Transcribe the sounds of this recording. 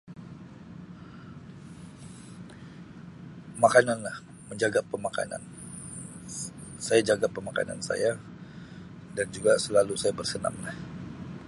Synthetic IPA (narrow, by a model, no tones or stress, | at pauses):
makananlah | məɲd͡ʒaɡapːəmaka̰na̰n | sajad͡ʒaɡapːəmaka̰na̰nsa̰ja | dand͡ʒuɡasəlalusajabərsəna̰mlah